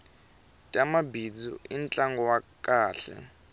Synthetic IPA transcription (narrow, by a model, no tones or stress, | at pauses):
tʼamabid͡zɔ̰int͡ɬʼaŋɡɔwakʼaːɬɛ̰